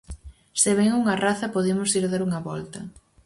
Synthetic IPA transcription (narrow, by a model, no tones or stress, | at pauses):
seβ̞ɛŋuŋɐraθɐpoðemʊsiɾðaɾuŋɐβɔlt̪ɐ